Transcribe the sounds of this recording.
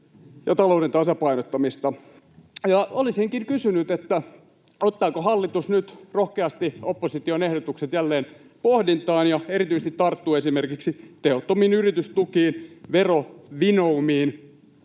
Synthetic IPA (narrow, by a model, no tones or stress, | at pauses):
jɑt̪ɑlouɾent̪ɑsɑpɑinot̪ːɑmist̪ɑ | jɑolisiŋkinkysynyt̪et̪ːæ | ot̪ːɑːkohɑlːit̪usnyt̪rohkeɑst̪iopːosit̪ionehdot̪ukset̪jælːeːn | pohdint̪ɑːnjɑeɾit̪yises̆t̪it̪t̪ɑrt̪ːuːesimerkiksit̪ehot̪ːomiːnyrit̪yst̪ukiːnʋeroʋinoumiːn